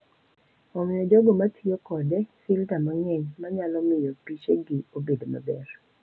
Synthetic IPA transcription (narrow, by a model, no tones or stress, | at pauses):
omɪjɔd͡ʒɔɡɔmatʰɪjokɔdɛsiltamaŋɛɲmaɲalɔmɪjɔpit͡ʃeɡɪobedoma̰bɛr